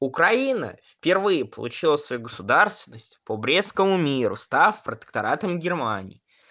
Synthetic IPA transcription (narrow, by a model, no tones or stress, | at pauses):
ʊkɾɐinə̰fpʲɪrvɨjɪpə̰lˠʊ̰t͡ɕilˠəsvɐjuɡəsʊd̪arst̪vʲɪnːəsʲtʲpəbɾʲeskəmʊmʲiɾʊ̰st̪afpɾət̪ə̥kt̪ɐɾat̪əmɡʲɪrmanʲɪ̰ː